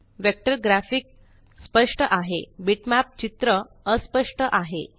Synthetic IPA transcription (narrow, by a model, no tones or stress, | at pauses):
ʋek̚ʈəɾɡɾæfik̚ | spəʂʈəʔaɦḛbiʈmæp̚t͡ɕit̪ɾə | əspəʂʈəʔaɦḛ